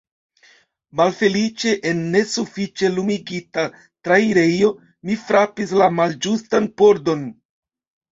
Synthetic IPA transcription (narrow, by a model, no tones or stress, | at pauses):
malfe̞lit͡ʃe̞ʔenːe̞sufit͡ʃe̞lumiɡita | tɾaiɾe̞jo̞ | mifɾapislamald͡ʒustanpo̞ɾdo̞n